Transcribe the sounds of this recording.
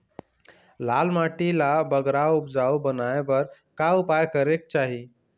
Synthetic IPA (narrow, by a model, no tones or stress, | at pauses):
lalmaʈilabəɡɾaupd͡zawbənajbəɾ | kaupajkəɾek̚t͡ɕaɦi